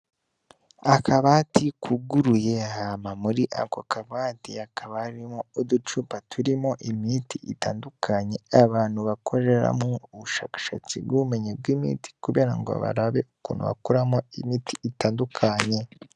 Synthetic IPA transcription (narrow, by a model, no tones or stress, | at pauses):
akʰaβaːtikʰuɡuɾujehamamuɾiʔa̰kokaβatiakʰaβaɾimoudut͡ʃupatʰuɾimoʔimitiitaːndukʰaɲe̞aβaːnhuβakʰo̞ɾe̞ɾa̰muuβuʃaːkḁʃa̰t͡sibɡume̞ɲeb̚ɡiːmḭːti̥kuβe̞ːɾaŋɡo̰βa̰ɾaβe̞ukuːnhṵβa̰kuɾamoimiːtiːtaːndukʰaɲe̞